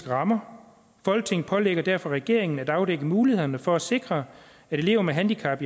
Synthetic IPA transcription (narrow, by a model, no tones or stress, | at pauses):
ɡ̥əʁɑ̈mɐ | fɒ̽l̰ɡ̥̚t͡sʰe̝ŋ̰pʰɒ̽leɡ̥ɐd̥æɐ̰fɒ̽ʁɛɡ̥e̝ɐ̰e̝ŋn̩æd̥ɑ̈ʊdeɡ̥əmuːlihe̝ð̰ˠɐnəfɒ̽æ̥se̝ɡ̥ʁɐ | æɾ̥e̝le̝ːʊɐmæɦænd̥ikʰæb̥i